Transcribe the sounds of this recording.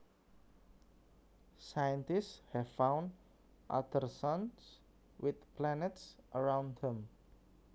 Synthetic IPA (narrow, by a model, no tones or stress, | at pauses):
sajə̃nt̪istshɛvfãw̃nd | ʔa̰d̪ərsãns | wʔɪt̪plɛnɛtsʔəɹãw̃ndðɛ̃m